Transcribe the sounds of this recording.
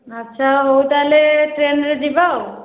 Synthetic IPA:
ətːʃʰaɦowt̪aleʈɾenɾed̪ibaw

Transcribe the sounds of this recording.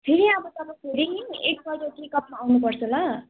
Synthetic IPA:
pʰeɾiʌbʌt̪ʌbãpʰeɾiek̚bʌjɾʌkekʌp̚maːwnupʌrt͡sʰʌla

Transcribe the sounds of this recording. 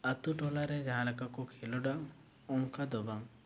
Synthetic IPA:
at̪uʈɔlaɾɛd͡ʒaɦãlakakukʰelɔɖaʔ | ɔŋkad̪ɔbaŋ

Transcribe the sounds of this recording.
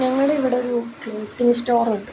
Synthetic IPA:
ɲɐŋːɐɭɽeiʋiɽe̞oɾukːt̪ːimistoːruɳɖɨ

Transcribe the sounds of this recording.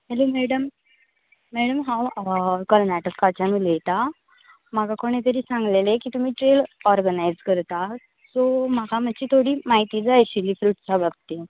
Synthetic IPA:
ɦelomɛɽəmː | ɛɽəmɦãwkɔɾnæʈəkkat͡ɕamiːlet̪a | maɡakoɽ̃et̪̬əɾiːsãŋɡlelekit̪um̤iːʈɾelɔɾɡənajd͡zkəɾt̪a | sɔmaɡam̤at͡ɕiːt̪ʰoɽiːmaɦit̪iːd͡zajɕiliːfɾuːʈt͡sabab̚t̪e

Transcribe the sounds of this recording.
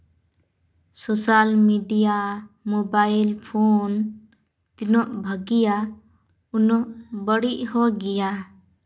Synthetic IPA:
sosalmiɖijamɔbailpʰon | t̪inɔʔbʱəɡija | unɔʔbəɽiʔhɔɡɛja

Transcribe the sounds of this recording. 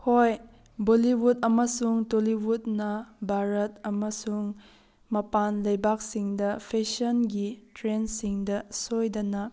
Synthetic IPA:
hoj | boliwudɐmɐsuŋtoliwutnɐbʱaɾɐt̚ɐmɐsuŋ | mɐpanlɐjbak̚siŋdɐpʰesɐnɡitɾensiŋdɐsojdɐnɐ

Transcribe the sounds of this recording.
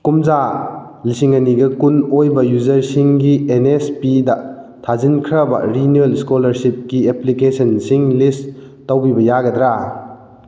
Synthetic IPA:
kumza | lisiŋɐniɡɐkunojbɐjuzɐɾsiŋɡienespidɐ | tʰazinkʰɾɐbɐ̰ɾinelskolɐɾsip̚kieplikesɐnsiŋlist | tawbibɐjaɡɐdɾa

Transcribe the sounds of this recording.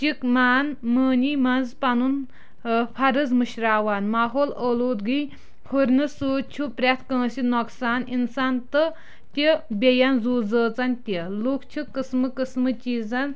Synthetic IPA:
t͡ʃikmaːnməːniːmɐnzpɐnun | pʰɐɾɨzmɨɕɾaːwaːnmaːɦoːləːloːd̪ɡɨj | hʰuɾnɨsuːt͡ʃʰupɾʲet̪ʰkə̃ːsinɔksaːninsaːnt̪ɨ | t̪ʲibʲejanzuːd͡zəːt͡sant̪ʲeloːkʰt͡ʃʰɨkːəsmɨkəsmɨt͡ʃiːzan

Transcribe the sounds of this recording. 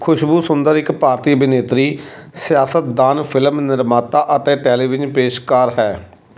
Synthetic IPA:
kʰʊʃbuːsʊnd̪əɾɪkpaːɾt̪iːəbɪneːt̪ɾiː | sɪjaːsət̪̚d̪aːnpʰɪləmnɪɾmaːt̪aːʔət̪eːʈɛːliːʋɪd͡ʒpeːʃkaːɾɦɛː

